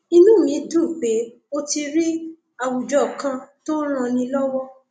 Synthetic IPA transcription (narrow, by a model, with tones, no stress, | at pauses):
i˧nũ˦˨mĩ˨˦tu˦˨k͡pe˨˦ | o˦ti˧ɾi˦ | a˨wu˨d͡ʒɔ˨kã˧˦to˦l̃ɔ̃˧nĩ˧lɔ˦wɔ˦